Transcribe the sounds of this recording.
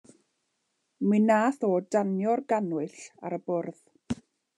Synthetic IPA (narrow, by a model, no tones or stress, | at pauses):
mɨnaːθɔːdanjɔrɡanwʊɬa̰ɾəbʊrð̥